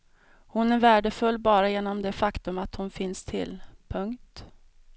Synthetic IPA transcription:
hʊnæɾvæːɖəfɵlːbɑːɾajeːnɔmd̪ɛfakt̪ɵmat̪hʊnfɪnst̪ʰɪ̰lpʰɵŋkt̪

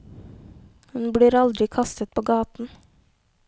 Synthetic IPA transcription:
hʉnbɽiːɾɑld̪ɾɪkʰɑst̪ət̪̚pʰoːɡɑːt̪n̩

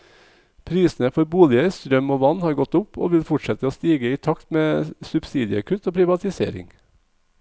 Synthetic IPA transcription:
pʰɾiːsn̩əfɔɾbuːlɪəɾst̪ɾœmoːʋɑnhɑːɾɡɔt̪ʊpʰo̰ːʋɪlfʊʈʃɛt̪əoːst̪iːɡəɪːt̪ʰɑkt̪meːsʉbsiːd̪ɪə̰kʰʉt̪oːpʰɾɪʋɑt̪ɪsḛːɾɪ̰ŋ

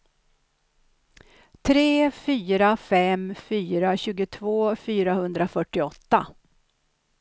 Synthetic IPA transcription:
t̪ʰɾeːfyːɾafɛmfyːɾaɕʉ̟ːɡʊt̪ʰvoːfyːɾahɵnd̪ɾafœʈːɪɔt̪ːa

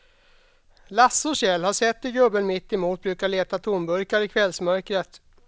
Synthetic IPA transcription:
lasːʊʂɛlhaʂɛt̪ːɪɡɵbːənmɪt̪ːɪmuːt̪̚bɾʉ̟ːkaɭeːt̪at̪ʰuːnbɵɾkaɾɪkʰvɛlsmœɾkɾət̪

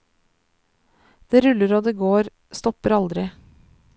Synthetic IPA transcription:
d̪̥eːɾʉləɾoːd̪eːɡoːɾ | st̪ɔpəɾɑld̪ɾɪ

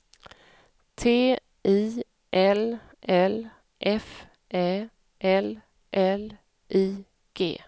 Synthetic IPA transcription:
t̪ʰeː | ʔiː | ʔɛl | ʔɛl | ʔɛf | ʔɛː | ʔɛl | ʔɛl | ʔiː | ɡ̥ḛː

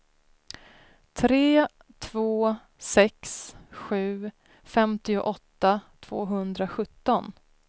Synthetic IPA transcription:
t̪ʰɾeː | t̪ʰvoː | sɛksɧʉ̟ː | fɛmt̪ɪʊʔɔt̪ːat̪ʰv̥o̰ːɦɵnd̪ɾaɧɵt̪ːɔn

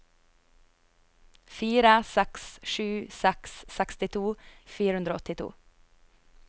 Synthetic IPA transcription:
fiːɾəsɛksʃʉːsɛkssɛkst̪ɪt̪ʰuːfiːɾəhʉnd̪ɾoːɔt̪ɪt̪ʰṵː

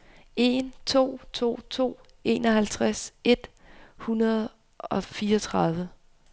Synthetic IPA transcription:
e̝nt͡sʰo̝̰ːt͡sʰo̝̰ːt͡sʰo̝̰ː | e̝ːnɒɦælt͡sʰʁase̝d̥ | hunɐð̞ˠ | ɒ̽fiːɐɒt͡sʰʁɑð̞ˠʋə

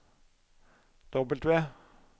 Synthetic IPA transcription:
d̪̥ɔbəlt̪ʋeː

